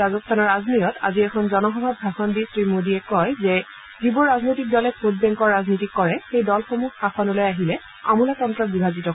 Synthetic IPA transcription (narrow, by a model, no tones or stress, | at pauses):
azɔstʰanɔɹaznojɔta̰ziɛkʰɔnzɔnɔxɔbʱabʱaxɔndisɹimodiɛkɔjzɛ | zibuɹɹaznojtik̚dɔlɛpʰud̚bɛŋkɔɹaznitikːɔɹɛxejdɔlxomuxaxɔnɔlojaɦilɛ | a̰mulatɔntɹɔbibʱazitɔ